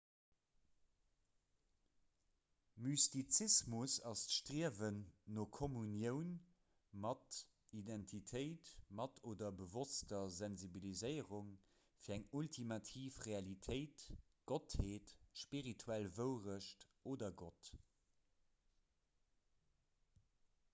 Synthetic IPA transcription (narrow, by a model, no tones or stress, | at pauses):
mystit͡sismusɑstʃtʁiəvənːoːkʰomunjəʊn | mɑt | idɛntʰitʰəɪtmɑtʰoːdɐbəvostɐzænzibilizəɪəʁuŋ | fiːɐæŋultʰimɑtʰiːfʁeɑlitʰəɪt | ɡ̥otheːtʃpiʁitʰuælvəʊʁəʃtʔoːdɐɡot